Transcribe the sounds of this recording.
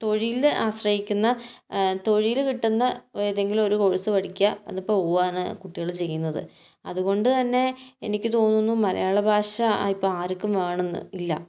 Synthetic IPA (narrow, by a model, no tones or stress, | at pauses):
t̪o̞ɻijila̰ːɕrɐhikʲːunːɐt̪o̞ɻijilkiʈːunːɐeðeŋɡilumo̞ɾuko̞ɻisɨʋɐɽikʲːɐɐ̰nðipːooːʋaːɳɨkuʈːiɣɐɭt͡ɕe̞jːunːɐðɨ̰ | ɐ̰ðuɣo̞ɳɖɨt̪ɐnːe̞ḛnikʲːɨt̪o̞ːnːunːumɐlɐ̰jaːɭɐbʱaːʂɐipːoːɭaːɾikʲːumʋeːɳenːṵilːɐ̰